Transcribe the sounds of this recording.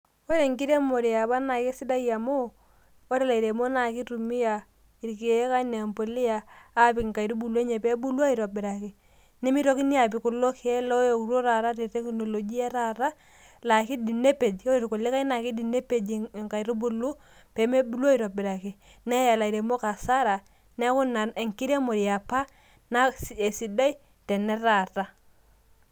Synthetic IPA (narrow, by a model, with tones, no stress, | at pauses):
o˦ɾe˨ŋki˦ɾe˦mo˨ɾi˨a˨ba˦na˨kɪ˦sɪ˦da˦ja˨mo˦ | o˦ɾɛ˦la˨i˨ɾe˨mo˦na˨kɪ˦ɾu˨mi˦ja˨ | i˨ɾki˨˦ka˦ne˨mpo˨lɪ˦jaː˨˦pɪ˨kŋka˨i˨ɾu˦bu˨lu˦e˦ɲɛ˨pɛ˦bu˦lwa˦i˨ɾo˨bɪ˨ɾa˨kɪ˨ | nɛ˦mi˦ɾo˦kɪ˦ni˦a˨p̬ɪ˨kʊ˨lo˦kɛ˦lɔ˦jo˨kɾo˦ɾa˨ɾa˦ɾe˨te˦kno˨lo˨d͡ʒi˦a˦ɾa˦ɾa˦ | la˨ki˦di˨ne˦pe˨d͡ʒo˦ɾi˨ko˨li˦ka˦i˦na˨ki˦di˨ne˦pe˦d͡ʒŋka˨i˨ɾu˦bu˨˦lu˦ | pɛ˨˦me˦bu˦la˦i˨ɾo˨bɪ˨ɾa˨ki˨ | nɛ˦ja˨la˨i˨ɾe˨mo˦ka˨sa˦ɾa˨ | nɛ˦kʊ˦na˨ne˨ŋki˦ɾa˦mo˨ɾi˨ja˨pa˦ | na˦e˨si˨da˦i˦ | tɛ˨nɛ˦ɾa˨ta˦